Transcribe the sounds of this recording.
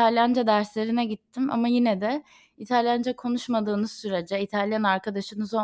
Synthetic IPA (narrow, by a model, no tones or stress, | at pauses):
t̪alʲjand͡ʒad̪æɾslʲe̞ɾinɛɟit̪ʰːima̰majinɛd̪ɛ | it̪ʰalʲjand͡ʒakʰo̞nuʃmad̪ɯːnɯzsyɾe̞d͡ʒɛit̪ʰalʲjanaɾkad̪aʃɯnɯzo